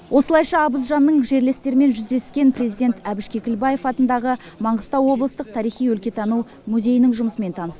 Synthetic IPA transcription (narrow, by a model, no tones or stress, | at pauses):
wʔo̞səlˠɑjʃɑːbəzʒɑnːəɴʒe̞ɾle̞st̪e̞ɾɪme̞nʒʏzd̪e̞skʲe̞npre̞zijd̪ʲe̞nt̪æbɪʃkʲe̞kʲɪlbɑje̞fɑt̪ənd̪ɑʁə | mɑɴʁəst̪ɑwwo̞blˠəst̪əq̚t̪ʰɑɾijχijwɵlkʲe̞t̪ʰɑnuw | mʉze̞jɪnɪŋʒʊməsəme̞nt̪ʰɑnəsə